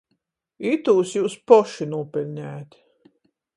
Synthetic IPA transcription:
it̪uːsjuːspɔʃinuɔpɛlʲnʲæːt̪

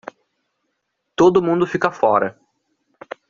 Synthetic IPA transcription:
t̪od̪ʊmũnd̪ʊfikɐfɔɾɐ

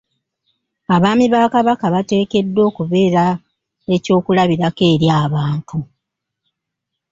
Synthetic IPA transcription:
aβaːmiβakaβakaβate̞ːke̞dːo̞ːkuβe̞ːɾa | e̞co̞ːkulaβiɾake̞ːɾjaːβaːntʰu

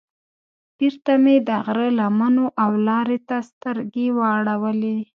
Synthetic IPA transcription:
b̥iɾt̪amed̪əɣɾəlamanoʔawlɑɾet̪ast̪əɾɡewəɽawəle

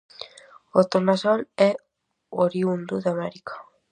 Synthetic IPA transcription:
ot̪oɾnasane | oɾiund̪uðamaɾikʰḁ

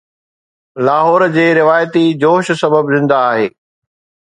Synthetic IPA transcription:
laːɦɔːɾd͡ʑeːɾɪʋaːjət̪id͡ʑoːʃsɐbəbzɪ̃nd̪aːɦeː

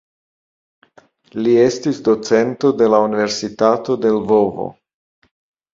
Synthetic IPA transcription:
lie̞stisd̪o̞t͡se̞nt̪o̞d̪e̞launive̞ɾsitat̪o̞d̪e̞lvo̞vo̰

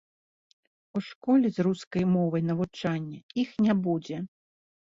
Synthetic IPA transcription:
uʂkɔlʲɛzruskɐjmɔvɐjnɐvut͡ʂanʲːɐixnʲabud͡zʲɛ

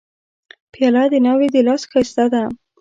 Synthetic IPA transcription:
pjɑlad̪enɑwed̪elɑsxast̪ad̪a

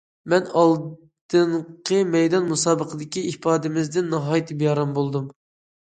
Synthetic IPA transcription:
mɛnɑlˠ | d̪̥ɨɴqʰəmɛjd̪ɑnmusɑːbəqʰəd̪ɪkʲiipʰɑːd̪ɪmɪzd̪ɪnːɨɦɑːjit̪ʰɪbjɑɾɑmbolˠd̪um

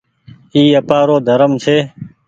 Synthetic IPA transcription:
iːəpaːɾoːd̪ʱəɾəmt͡ʃʰeː

